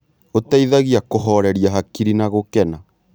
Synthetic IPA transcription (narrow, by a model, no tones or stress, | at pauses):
otaiðaɣiakoɦɔɾɛɾiaɦakiɾinaɣokɛna